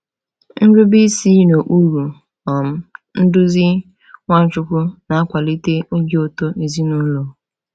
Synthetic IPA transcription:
n̩˦ɡʊ˦bi˦si˦no˨ʔu˦ɾu˨ | ɔ˨m̩˦n̩˦dʊ˦zɪ˦ | ŋʷa˦n̩˦t͡ʃʊ˦kʷʊ˦na˨a˦kʷa˨li˦te˦o˦ɡe˦o˦to˦e˨zi˦nu˦lo˨

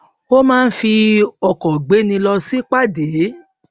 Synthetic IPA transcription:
o˦mãː˦˧n̩˦fi˧ɔ˨kɔ˨ɡ͡be˨˦nĩ˧lɔ˧si˦k͡pa˦˨de˨˦

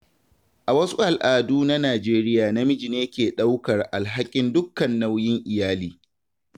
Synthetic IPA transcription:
ʔa˨wɐ˦su˦ʔa˨lʔaː˨duː˦na˦naː˨d͡ʒeː˦ɾɪ˦jaː˨na˦mɪ˦d͡ʒi˨neː˦kʲeː˨ɗa˦wkɐ˨rʔa˨lɦa˦kʲʼɪ˦ndʊ˦kːɐ˨nːa˦wjɪ˦ŋʔɪ˨jaː˦liː˦

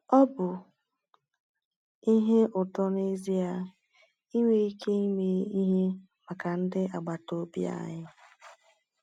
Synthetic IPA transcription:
ɔ˦bʊ˨ | i˦ɦe˦ʔʊ˨tɔ˦ne˦zi˦a˦ | i˦ŋʷe˦i˦kʰe˦i˦me˦i˦ɦe˦ | ma˨ka˨n̩˦dɪ˦ʔa˨ɡ͡ba˨to˦bḭ˦a̰˦ɲɪ˦

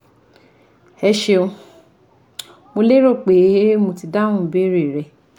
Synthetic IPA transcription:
ɛ˧ʃe˧o˧ | mo˧le˦ɾo˦˨k͡pe˨˦mo˧ti˧dã˦ũ˦˨be˦ɾe˨ɾɛ˧

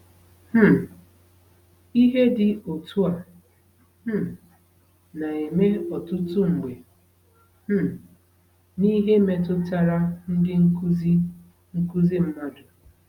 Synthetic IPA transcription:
m̩˦ | i˦ɦe˦dɪ˨o˨tu˦a˨ | m̩˦ | na˨e˨me˦ɔ˨tʊ˦tʊ˦ŋ͡m̩˨ɡ͡be˨ | m̩˦ | ni˦ɦe˦me˨tʊ˦ta˦ɾa˦n̩˦dɪ˦ŋ̩˦zi˦ | ŋ̩˦ku˦zi˦m̩˦ma˦dʊ˨

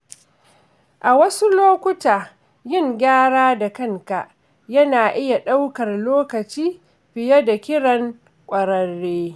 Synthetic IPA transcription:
ʔa˨wɐ˦su˦loː˦kʷʊ˦taː˨ | jɪ˦˨ŋɡʲaː˦ɽaː˦da˨kɐ˦ŋka˨ʔ | jɐ˦naː˨ʔɪ˦ja˨ɗa˦wkɐ˨rloː˦kɐ˨t͡ʃiː˦ | ɸɪ˨jɐ˦da˨kʲɪ˦ɽɐ˨ŋ | kʷʼɐ˨ɾɐ˦ɽːeː˦

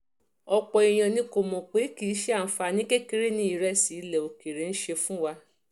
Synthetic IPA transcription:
ɔ˧k͡pɔ˨i˨j̃ã˨nĩ˧˦ko˨mɔ̃˨k͡pe˨˦ki˨˦ʃe˦a˦˨n̩˦fa˧˨nĩ˦ke˦ke˦ɾe˦nĩ˧˦i˨ɾɛ˦si˨˦lɛ˨o˨ki˨ɾe˨n̩˦ʃe˧fũ˦wa˧

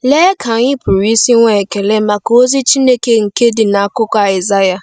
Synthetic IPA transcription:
leː˦kʰa˨ɲɪ˦pʊ˨ɾi˦si˦ŋʷe˨ke˨le˦ma˨ko˦zi˦t͡ʃi˦ne˦ke˦ŋ̩˨ke˦dɪ˨na˨˦˨kʊ˦kʷa˨ɪ˨za˦ja˦

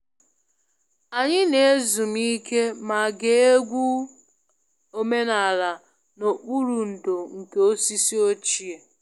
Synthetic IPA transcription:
a˨ɲɪ˦ne˨e˦zu˨m̩˦i˦ke˦ma˨ɡe˨˦e˦ɡʷu˦ | o˦me˦na˨la˨ | no˨k͡pu˦ɾu˨n̩˨do˨ŋ̩˨ke˨o˦si˦si˦o˦t͡ʃi˨e˨

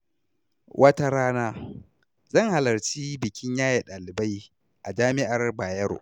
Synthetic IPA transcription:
wʔɐ˦ta˦ɾaː˦naː˦ | zɐ˦˨ŋha˨lɐ˨rt͡ʃiː˦bɪ˨kʲɪ˦ɲjaː˦je˨ɗaː˨lɪ˨ba˦j | ʔa˨d͡ʒaː˦mɪ˦ʔa˨rbaː˨jɐ˦ɾ̰

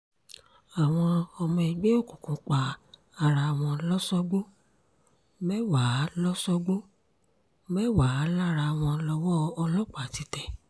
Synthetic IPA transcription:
a˨w̃ɔ̃˧ɔ˧mɔ̃˧i˧ɡ͡be˦o˦˨kũ˨kũ˨k͡pa˨ | a˧ɾa˧˨w̃ɔ̃˧lɔ˦sɔ˦ɡ͡bo˦ | mɛ˦wa˨˦lɔ˦sɔ˦ɡ͡bo˦ | mɛ˦wa˨˦la˦˨ɾa˧˨w̃ɔ̃˧lɔ˧wɔ˦ɔ˧lɔ˦k͡pa˨ti˧˦tɛ˨

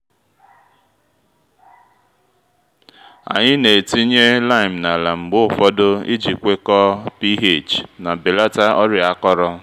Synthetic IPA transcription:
a̰˨ɲɪ˦ne˨ti˦ɲe˦la˦ɪ˨m̩˨na˨la˨ŋ͡m̩˨ɡ͡bʊ˦˨fɔ˦do˦ḭ˦d͡ʒi˨kʷe˦kɔ˦pi˦ɦe˦˨t͡ʃna˨be˨la˦ta˦ɔ˦ɾɪ˨a˦kɔ˦ɾɔ˦

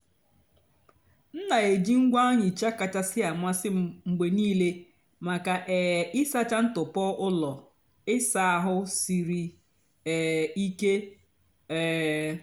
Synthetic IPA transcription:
n̩˦na˨e˨d͡ʒi˦ŋ̩˦ɡʷa˦a˦ɲɪ˨t͡ʃa˦ka˨t͡ʃa˦sɪ˦a˨ma˦sɪ˦ŋ͡m̩˨ɡ͡be˨niː˦le˦ | ma˨ka˨ʔɛ˨ɪ˦sa˦t͡ʃa˦n̩˦tʊ˨pɔ˦ʔʊ˦lɔ˨ | ɪ˦sa˨a˨ɦʊ˦si˨ɾi˨ | i˦ke˦ | ɛ˨

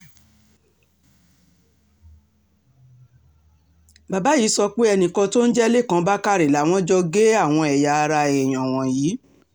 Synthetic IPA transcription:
ba˨ba˨˦jiː˨˦sɔ˧k͡pe˦ɛ˧nĩ˧kɔ̃˧to˦n̩˦d͡ʒɛ˦le˦˨kã˨˦ba˦ka˦ɾe˨la˨˦w̃ɔ̃˦d͡ʒɔ˧ɡe˦a˦˨w̃ɔ̃˧ɛ˨ja˧ɾa˧ɛ˨j̃ɔ̃˨w̃ɔ̃˨jiː˨˦

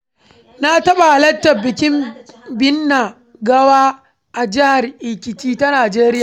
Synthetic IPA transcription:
na˦tɐ˦ɓa˨ʔa˨lɐ˦tːɐ˨bɪ˨kʲɪ˦mbɪ˦nːa˨ | ɡɐ˦waː˦ | ʔa˨d͡ʒɪ˦ha˨rʔɪ˨kʲɪ˨tiː˦ta˦naː˨d͡ʒeː˦ɾɪ˦jaː˨

